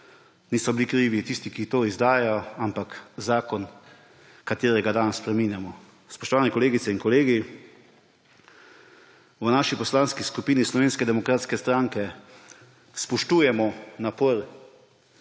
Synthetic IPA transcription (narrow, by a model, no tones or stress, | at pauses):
niːsɔbilikɾiːʋit̪ist̪ikit̪oːizd̪aːjɛjɔampakzaːkɔn | kat̪eːɾɛɡad̪anspɾɛmiːnjamɔ | spɔʃt̪ɔʋaːnɛkɔleːɡit̪sɛinkɔleːɡi | wnaːʃipɔslanskiskupiːnislɔʋeːnskɛd̪ɛmɔkɾaːt̪skɛst̪ɾaŋkɛ | spɔʃt̪uːjɛmɔnapəɾ